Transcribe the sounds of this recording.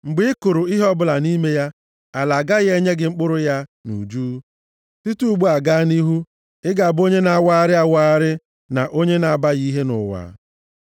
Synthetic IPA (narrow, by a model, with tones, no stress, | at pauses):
ŋ͡m̩˨ɡ͡bɪ˦ɪ˦kʊ˨ɾʊ˨ɪ˦ɦɔ˦bʊ˦la˨ni˦me˦ja˦ | a˨la˨ɡa˦ɣe˦ɲe˦ɡɪ˨ŋ͡m̩˦k͡pʊ˦ɾʊ˦ja˦nṵ˨d͡ʒuː˦ | ti˦tu˦u˦ɡ͡bu˦a˨ɡa˦ni˦ɦu˦ | ɪ˦ɡa˨a˨bo˦ɲe˦na˨˦wa˦ɾɪ˦a˦wa˦ɾɪ˦ | na˨ʔo˦ɲe˦na˨ba˦ɣi˦ɦe˦nʊ̰˨wa̰˨˦